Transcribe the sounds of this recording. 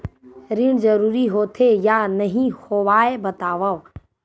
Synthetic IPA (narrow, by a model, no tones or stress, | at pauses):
ɾiɽzəɾuːɾiɦoːt̪ʰejanɐɦĩhoːʋaːebɐt̪aːʋaʋ